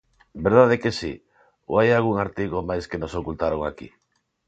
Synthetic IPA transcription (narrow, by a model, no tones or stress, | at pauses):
beɾðaðekesi | o̰ajalɣuŋaɾt̪iɣomajskenosokult̪aɾoŋakḭ